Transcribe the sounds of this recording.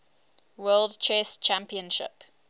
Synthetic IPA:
wɜːlˠdt͡ʃʰɛst͡ʃʰãmpiə̃nʃɪ̰p

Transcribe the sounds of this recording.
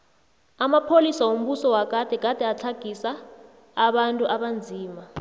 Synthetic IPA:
amapʰolisawom̩ɓusɔwak̬ʼad̥ʱɛk̬ʼad̥ʱɛat͡ɬʰaɡ̥ʱisaː | ɓantʼuʔaɓand͡zʱiːma

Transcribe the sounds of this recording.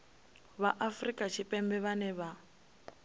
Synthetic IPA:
βaʔafrikʼat͡ʃʰipʼɛmbɛβanɛβa

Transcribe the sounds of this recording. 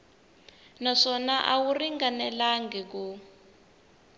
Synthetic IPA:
naʂɔnaʔawuriŋɡanɛlaŋɡɛk̬u

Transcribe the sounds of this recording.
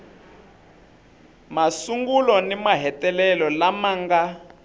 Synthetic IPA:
masuŋɡulɔnimaɦɛtʼɛlɛlɔlamaŋɡa

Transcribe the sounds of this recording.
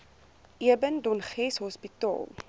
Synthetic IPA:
ʔiəbəndɔnχɛsɦɔspitɑ̰ːlˠ

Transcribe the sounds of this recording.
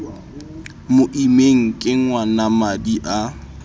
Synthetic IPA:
mʊʔimeŋ̩kʼɪŋwanamadiʔa

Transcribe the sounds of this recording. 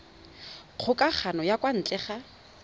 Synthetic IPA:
q͡χʰʊkʼak͡xʰanɔjakwan̩t͡ɬʼɛχa

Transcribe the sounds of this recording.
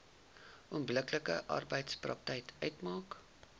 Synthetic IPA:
ʔuəmbləkləkə̰ʔɐ̰rbəjtsprɐk̚təjtœɥtmɑːk

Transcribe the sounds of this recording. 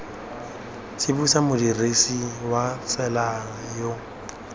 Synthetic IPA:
t͡sɪbusamʊdiresiwafɛla | jo

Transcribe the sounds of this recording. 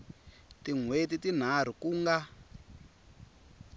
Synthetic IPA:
tiŋwetitin̤ar̤ukuːŋɡa

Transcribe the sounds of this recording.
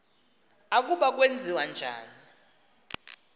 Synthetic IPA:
ak̬uɓak̬wend͡zʱiwand͡ʒʱa̰ːni

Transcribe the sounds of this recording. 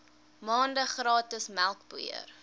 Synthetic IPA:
mɑːndəχrɑːtəsmælˠkbuḭə̰r

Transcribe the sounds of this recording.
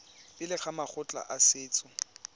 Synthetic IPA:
pʼɪlɪχamaχʊt͡ɬʼa̰ʔasɪːt͡sʼʊ

